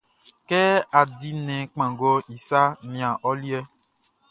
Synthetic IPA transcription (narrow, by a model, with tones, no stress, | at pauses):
kɛ˦a˨di˦nɛ̃˨k͡pã˨ɡo˦i˨sa˦mĩ˨a˨ʔɔ˦li˦ɛ˦